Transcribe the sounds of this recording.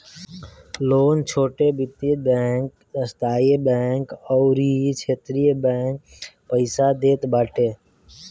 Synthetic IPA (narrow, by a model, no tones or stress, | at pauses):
loːnt͡ʃʰoːʈeːbɪt̪eːbeːŋk | əst̪aːebeːŋkɔːɾiːit͡ʃʰeːt̪ɾijebeːŋk | pəɪsaːd̪eːt̪baːʈeː